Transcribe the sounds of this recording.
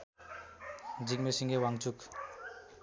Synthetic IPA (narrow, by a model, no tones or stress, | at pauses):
d͡ʒik̚mesiŋɡewaŋt͡ʃuk